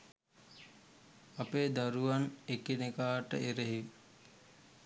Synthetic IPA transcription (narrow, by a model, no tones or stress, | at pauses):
apeːd̪aɾuʋanekinekaːʈə̰eɾeɦi